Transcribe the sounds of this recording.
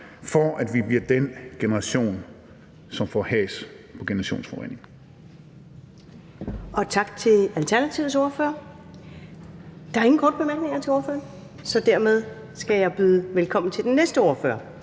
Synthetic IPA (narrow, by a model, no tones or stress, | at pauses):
fɒæd̥ʋib̥liɐd̥enɡ̥e̝nəʁɑ̈ɕo̝̰ːn | sɒ̽mfɒhɛ̰ːs | pʰɒ̽ɡ̥e̝nəɐʁɑ̈ɕo̝̰ːnsfɒʁḛne̝ŋ | ɒ̽t͡sʰɑ̈ɡ̥t͡sʰe̝ælt͡sʰæɐnæt͡sʰiʊðˠsɔɐfø̰ːɐ | d̥ɑ̈æɐe̝ŋn̩kʰɒːd̥əb̥e̝mæɐɡ̥ne̝ŋɐt͡sʰe̝ɔːɐfø̰ːɐn | sɒ̽d̥æɐ̰með̞ˠ | sɡ̥æjɑ̈ɪb̥yːð̩ˠʋelkʰɒ̽m̰n̩t͡sʰe̝ld̥enːesd̥əɔɐfø̰ːɐ